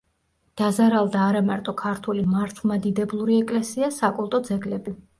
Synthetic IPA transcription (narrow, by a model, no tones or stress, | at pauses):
d̪̥azaɾalˠd̪aːɾamaɾt̪ʼɔkʰaɾt̪ʰulimaɾt̪ʰvlˠmad̪id̪ɛblˠuɾiɛkʼlɛsiasakʼulˠt̪ʼɔd̪zɛɡlɛbi